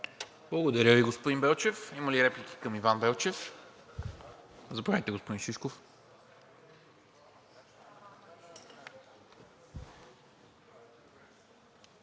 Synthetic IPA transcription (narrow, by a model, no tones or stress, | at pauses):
blˠɐɡod̪ɐɾʲəviɡospod̪imbɛlˠt͡ʃɛfiməliɾɛpliki̥kəmivanbɛlˠt͡ʃɛf | zɐpɾaɛt̪ɛɡospod̪inʃiʃkof